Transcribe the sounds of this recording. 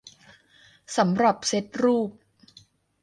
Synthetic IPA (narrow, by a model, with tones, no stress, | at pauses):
sa˩˦mɾa˨˩p̚se˦˥t̪̚ɾuː˥˩p̚